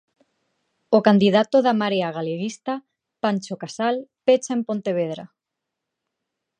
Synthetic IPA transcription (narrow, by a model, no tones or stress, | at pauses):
okand̪iðat̪oðamaɾeaɣ̞aleɣist̪a | panʲt͡ʃokasalpet͡ʃaempont̪eβ̞eð̞ɾa